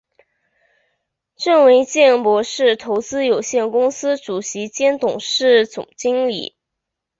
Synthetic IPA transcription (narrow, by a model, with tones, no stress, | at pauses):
ʈ͡ʂə˥˩nwe˧˥ɪt͡ɕjɛ˥˩npwɔ˧˥ʂɻ̩˥˩t̪ʰo˧˥ʊt͡sɹ̩˥jo˨˩ʊɕjɛ˥˩nkʊ˥ŋsɹ̩˥ʈ͡ʂu˨˩ɕi˧˥t͡ɕjɛ˥nt̪ʊ˨˩ŋʂɻ̩˥˩t͡sʊ̰˨˩ŋt͡ɕi˥ŋlḭ˨˩˦